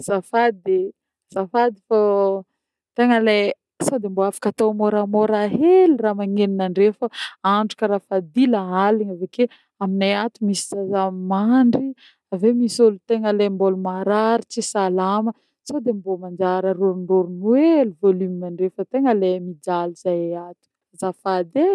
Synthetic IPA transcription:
z̥afad̪̚e | z̥afad̪ifa | t̪eŋəle | sad̪emboafḁkat̪owmoɾamoɾaɦeliramaŋeninaɳɖ͡ʐefəaɳɖ͡ʐukəɾafad̪ilaaliɲaveke | aminajat̪umisi̥zazamimaɳɖ͡ʐi | avemisolut̪eŋəlembolumaɾaɾit͡sisalamə | sawd̪embomand͡ʒaɾəɾuɾunruɾunueluvolyminaɳɖ͡ʐefət̪eŋəlemid͡ʒalizajeat̪u̥ | zafad̪e

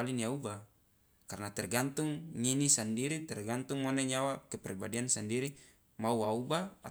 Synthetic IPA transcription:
aliniauba | karnat̪ɛrɡant̪uŋɲinisandiɾit̪ɛrɡant̪uŋmɔnɛɲawakɛpɛribadiansandiɾi | mauaubaa

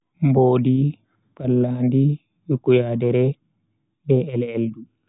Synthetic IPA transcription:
mboːdi | palːaːndi | wikujadɛɾɛ | bɛɛlɛldu

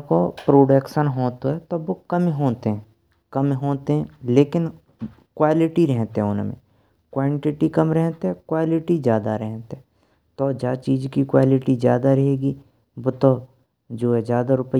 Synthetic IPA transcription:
kopɾoːɖekʃənɦoːt̪oɦɛt̪oboːkɐmiɦoːt̪eɦɛ̃ | kɐmɦoːt̪eɦɛ̃leːkɪn | kwaːlɪʈiɾɛɦt̪eɦɛ̃ʊnmḛ̃ | kwãːɳʈɪʈikɐmɾɛɦt̪eɦɛ̃kwaːlɪʈizjaːd̪aɾɛɦt̪eɦɛ̃ | t̪od͡ʒaːt͡ʃiːd͡ʒkikwaːlɪʈizjaːd̪aɾɐɦeːɡi | boːt̪o | d͡ʒoːɦɛzjaːd̪aɾʊpə

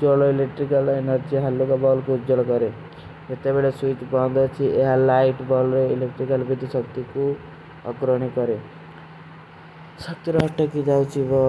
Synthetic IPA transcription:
d͡ʒɔloilek̚ʈɾikalenɔɾd͡ʒiɦalːukabɔlkuud͡ʒɔlɔkɔɾe | d͡ʒet̪ebeɭesuit̪bɔnd̪ɔt͡ʃʰiʔeɦalaiʈbɔlɾeilekʈɾikalbid̪isɔk̚t̪iku | ɔ̰kɾɔɽ̃ikɔɾe | sɔk̚t̪iɾɔɦɔʈːɔkid̪awt͡ʃʰibɔ

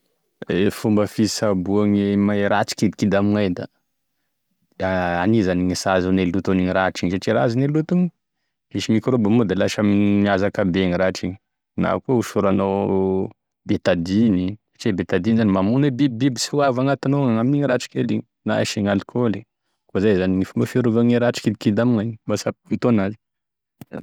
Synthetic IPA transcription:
efumbəfisabuaŋemajɾat͡ʃi̥kid̪ikid̪amiŋajd̪a̰ | aanizaniŋisazanelːut̪oniɲiɾaʈ͡ʂiɲsaʈ͡ʂiɾazinelːut̪uŋi | miʃimikɾobamud̪alaʃaminiazakabeŋiɾaʈ͡ʂiɲi | na̰kuuʃuɾano | bet̪ad̪inisḁʈ͡ʂibet̪ad̪inzanimamunwebibbibisiwavaŋat̪inoaŋamiɲiɾaʈ͡ʂi̥keliɲ | na̰ʃiŋalikʰoli | kozajzaniŋifumbafiɾuvaŋiɾaʈ͡ʂi̥kid̪ikid̪amiŋaɲbasaput̪onazi

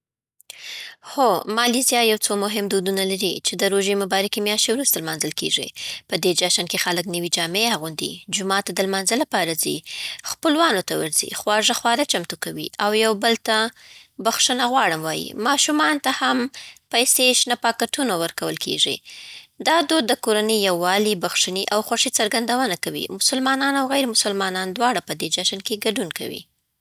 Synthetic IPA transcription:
xomɑlizjɑjawt͡somʊɦɪmd̪ud̪unalaɾḭt͡ʃed̪əɾoʒemʊbɑɾakimjɑʃt̪ewɾust̪almɑnzəlkḛʐḭpəd̪ed͡ʒaʃankexaləknəwid͡ʒɑmeaɣund̪ḭd͡ʒʊmɑt̪ːad̪əlmɑnzəlapɑɾazixpəlwɑnot̪awə̰ɾzḭxwɑʐaxwɑɾat͡ʃamt̪ukawḭʔawjawbəlt̪abaxʂənaɣwɑɽəmwɑjḭmɑʃumɑnt̪ahampajseʃnapɑkaʈunawəɾkawəlkʰḛʐḭd̪ɑd̪od̪ːəkoɾanəjːawːɑlibaxʂiniʔawxwaʂit͡saɾɡand̪awənakawḭmʊsəlmɑnɑnawɣajɾmʊsəlmɑnɑnd̪wɑɽapəd̪ed͡ʒaʃankeɡaɖunka̰wḭ

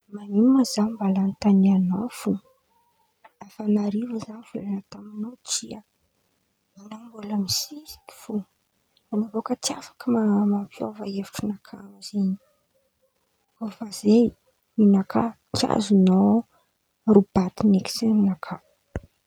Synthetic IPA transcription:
mamimazanmbalant̪anianofu | afanaɾivəzanifelanət̪aminot͡sia | inambuləmisizi̥ki̥fu | anavokət͡sia̰fḁkəmamampio̰vaevi̥ʈ͡ʂunakʰa̰ziɲi̥ | ovaze | minakʰa | kia̰zuno | rub̥at̪ineki̥seminakʰa

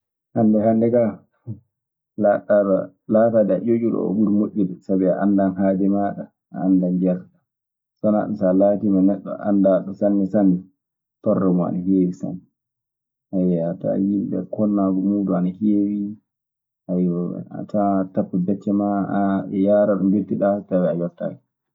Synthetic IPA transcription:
handɛhandɛka | laɗaɗa̰ | laːtadɛa̰ʔod͡ʒuɗɔ̰ɔ̰ɓuɾmoʔʲːiɗɛsabiaʔandanɦaːdɛmaɗa | a̰ːndand͡ʒaɾa | sɔna̰ɗɔsalatimanɛɗːɔ̰a̰ndaɗɔsanːɛsanːɛ | tɔrːɔmɔa̰nahewisa̰nːɛ | ʔajɛata̰jimbɛ̰kɔnːaɡɔmuːduanahewi | ʔajɔɛ̰a̰tatapːabɛt͡ʃːɛmaaɛjaɾaɗɔmɡetːiɗatawɛajɔfta̰ːɡɛ

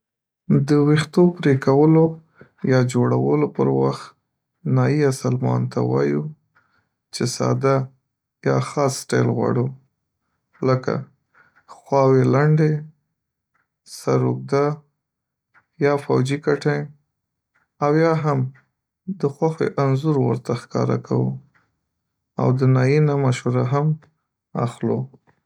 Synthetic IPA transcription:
d̪əwixt̪opɾekawəlo | jɑd͡ʒoɽawəlopəɾwaxt̪ | nɑiasalmɑ̰nt̪a̰wɑ̰ju | t͡ʃesɑ̰d̪a | jɑxɑsːʈɑjlɣwɑ̰ɽu | ləka̰ | xwɑwelaɳɖe | saɾuk̚d̪a | jɑfawd͡ʒikaʈaj | awjɑɦam | d̪əxwaxwḛʔanzuɾwə̰ɾt̪axkɑ̰ɾa̰kʰawṵ | a̰wd̪ənɑjinamaʃuɾaɦam | a̰xlo

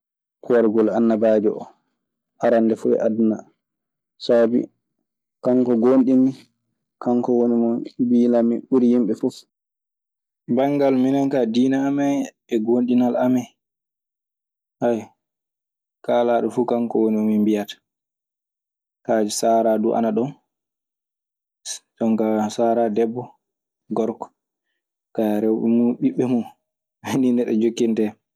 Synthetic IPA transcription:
kuwaɾɡɔlanːabaːd͡ʒɛɔ̰ | aɾandɛfuɛ̰ʔadna | sabḭ | kaŋkɔɡonɗimːi | kaŋkɔwonimɔbilamiɓuɾijimɓɛfuf | baŋɡalminaŋkadiːnaːmaj | ɛɡonɗinalamɛj | haj | kalaɗɔfukamkɔwoniɔmimbijatḁ | kad͡ʒɛsaːɾaduʔa̰naɗɔn | tɔŋkasaɾadɛbːɔ | ɡɔɾkɔ̥ | kaɾɛwɓɛmuɓiɓːɛmun | ɛndinɛɗɛ̰d͡ʒokːintɛ

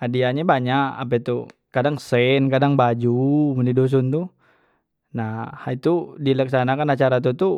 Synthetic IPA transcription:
adiaɲabaɲaʔa̰p̬ɛt̪ukadaŋsɛnkadaŋbad͡ʒuməndidos̬unt̪u | nahait̪udilaksanakanat͡ʃaɾat̪ut̪u

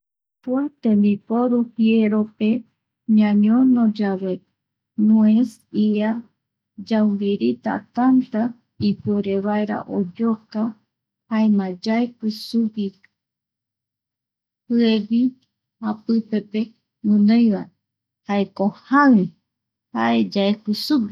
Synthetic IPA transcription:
puat̪ẽmbipoɾuhieɾope̞ | ɲãɲõnõd͡ʒaβe | nues | ia | d͡ʒawbiɾit̪a̰t̪ant̪a | ipoɾeβaeɾa̰ʔod͡ʒoka | haemãd͡ʒaekʷisupi | pɨeβi | hapɨpepe | mɨnõjβae | haekohai | ha̰e̞d͡ʒaekɨsupi

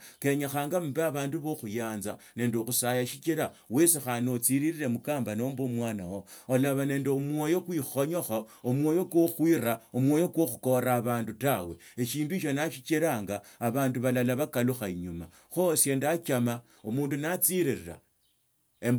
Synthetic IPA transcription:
ke̞ɲaxaːŋɡamubeaβaːnduβoxujaːnzane̞ːndexusajaʃit͡ʃiɾawesixanot͡siɾiɾiɾe̞mukaːmbano̞mbomwaːnawoolaβane̞ːndeomwojo̞kwixo̞ɲo̞xaomwo̞ːjo̞kwoxwiraomwo̞jo̞kwo̞xu̥ko̞ɾaːβaːndutawe̞eʃiːnduiʃo̞naʃit͡ʃeɾaːŋɡaːβaːnduβalalaβakaluxaiɲuma̰ | xosje̞ːndat͡ʃama | omuːndunat͡siɾiɾiɾa̰ | em

